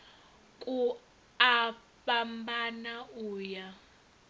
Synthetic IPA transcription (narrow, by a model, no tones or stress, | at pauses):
kʼu | a | pambanauːja